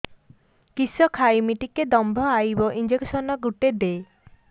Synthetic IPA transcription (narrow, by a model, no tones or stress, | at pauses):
kisɔkʰajmiʈiked̪ɔmbʱɔajbɔʔind͡ʒeksɔnɔɡuʈed̪e